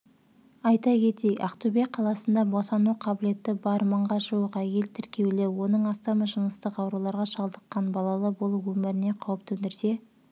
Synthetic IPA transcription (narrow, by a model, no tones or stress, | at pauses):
ɑjt̪ɑkʲʰe̞t̪ejʔɑqt̪ubeqʰɑlˠɑsənd̪ɑbo̞sɑnuqʰɑbɪle̞t̪ːɪbɑɾməɴʁɑʒuwəqæje̞lt̪ʰɪɾkʲʰe̞wlɪwo̞nəɴɑst̪ɑməʒənəst̪əqɑwɾulˠɑɾʁɑʃɑlˠd̪əqːɑnbɑlˠɑlˠəbo̞lˠəpwɵmɪɾɪne̞qʰɑwəp̚t̪ɵnd̪ɪɾse̞